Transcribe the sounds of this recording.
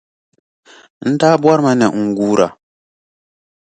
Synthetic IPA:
n̩˦taː˦bwa˦ɾma˦nɛ˨ŋ̩˨ɡuː˦ɾa˨

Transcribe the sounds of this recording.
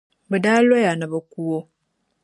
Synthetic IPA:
bə˨daː˦lo˦ja˨na˨βa˨ku˦wo˦

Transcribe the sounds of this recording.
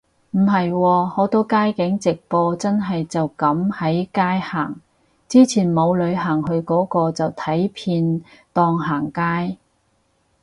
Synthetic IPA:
m̩˨˩ɦɐ˨jwɔː˧hɔː˨˥t̪ɔː˥kaː˥jkɪ˨˥ŋt͡sɪ˨k̚pɔː˧t͡sɐ˥nɦɐ˨jt͡sɐ˨wkɐ˨˥mhɐ˨˥jkaː˥jhaː˨˩ŋ | t͡siː˥t͡sʰiː˨˩nmo˨˧wlɵ˨˧ɥɦaː˨˩ŋɦɵ˧ɥkɔː˨˥kɔː˧t͡sɐ˨wt̪ʰɐ˨˥jpʰiː˧nt̪ɔː˧ŋɦaː˨˩ŋkaː˥j

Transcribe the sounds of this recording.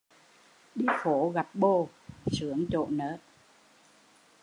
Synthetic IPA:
ɗi˧xo˧˩˦ɣa˨˩p̚ɓo˧sɨ˨˩˦əŋt͡ɕo̰˧˨nəː˦˥t̚

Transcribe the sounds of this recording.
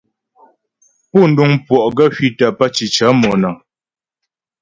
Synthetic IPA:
pɔ˦˨n̩˨˦du˦ŋpwɔ˨ʔɡa˦hɥi˦ta˨pa˦t͡ʃi˨t͡ʃa˨˦mɔ˨na˨

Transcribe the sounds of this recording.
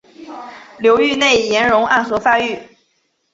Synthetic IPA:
ljo˧˥ʊy˥˧ne˥˩ɪjɛ˧˥nɻʊ˧˥ŋa̰˥˩nxɤ˧˥fa˥y˥˩

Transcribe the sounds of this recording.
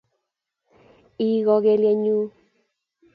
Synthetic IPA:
i˦ɣɔ˧ɣe˧ljɛ˧ɲu˦

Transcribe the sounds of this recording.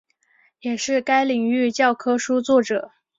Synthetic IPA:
jɛ˨˩ʂɻ̩˥˩ka˥ɪli˨˩ŋy˥˧t͡ɕjɑ˥˩ʊkʰɤ˥ʂu˥t͡swɔ˥˩ʈ͡ʂɤ˨˩˦

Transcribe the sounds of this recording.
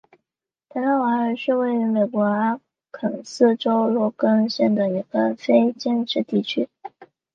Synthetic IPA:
t̪ʰa˧˥na˥nwa˧˥ə˧˥ʂɻ̩˥˧we˥˩ɪy˧˥me˨˩ɪkwɔ˧˥a˥ | kʰə˨˩ŋsɹ̩˥˩ʈ͡ʂo˥ʊlwɔ˥kə˥ŋɕjɛ˥˩nd̪ə˩i˧˥ɡ̥ə˧fe˥ɪt͡ɕɛ˥˧nʈ͡ʂɻ̩˥˧t̪i˥˩t͡ɕʰy˥

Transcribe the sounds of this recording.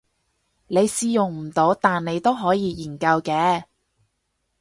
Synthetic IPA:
ne˨˧jsiː˧jʊ˨˩ŋm̩˨˩t̪o˨˧˥wt̪aː˨nne˨˧jt̪o˥wɦɔː˨˥jiː˨˧jiː˨˩nkɐ˧wkɛː˧˥

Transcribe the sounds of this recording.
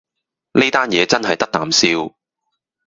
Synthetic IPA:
ne˥t̪aː˥njɛː˨˧t͡sɐ˥nɦɐ˨jt̪ɐ˥k̚t̪a̰ː˨msiː˥w

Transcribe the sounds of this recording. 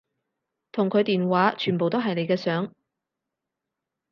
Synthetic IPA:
t̪ʰʊ˨˩ŋkʰɵ˨˧ɥt̪iː˨nwaː˨˥t͡ʃʰyː˨˩npo˨wt̪o˥wɦɐ˨jne˨˧jkɛː˧sœː˨˥ŋ

